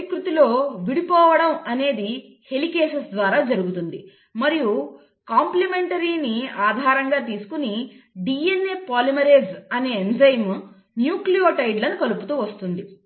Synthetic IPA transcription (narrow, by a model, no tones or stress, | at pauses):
kɾut̪ilo̞ːʋiɽipɔːʋɐɽɐmɐne̞ːd̪i | he̞likeːʃɐsd̪ʋaːɾaːd͡ʒɐɾuɡut̪und̪ḭ | mɐɾiju | kaːmplime̞ɳʈɐɾiːniaːd̪ʱaːɾɐŋɡaːt̪̬iːsu̥kuniɖiːenːe̞ːpaːlimɐɾeːd͡ʒɐne̞ːend͡ʒɐjm | njuːklijoːʈɐjɖlɐnukɐluput̪uːʋɐst̪und̪i